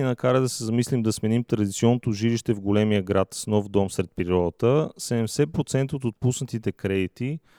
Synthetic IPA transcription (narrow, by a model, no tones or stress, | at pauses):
inɐkaɾəd̪ɐsɛzɐmislimd̪ɐsmɛnimt̪ɾɐd̪it̪siɔnːot̪oʒiliʃt̪ɛvɡolɛmijəɡɾat̪snɔfd̪ɔmsɾɛt̪̚pɾiɾɔd̪ət̪əsɛd̪ɛmsɛpɾot̪sɛnt̪ot̪ot̪̚pusnət̪it̪ɛkɾɛd̪it̪i